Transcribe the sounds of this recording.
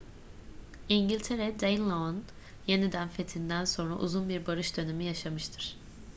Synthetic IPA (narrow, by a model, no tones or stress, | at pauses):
iɲɟilʲt̪ʰe̞ɾɛd̪ejnlˠoon | je̞nid̪ænfe̞t̪ʰind̪ænso̞nɾa̰ʔṵzunbiɾbaɾɯʃd̪ø̞ne̞mijaʃamɯʃt̪ʰɯɾ̥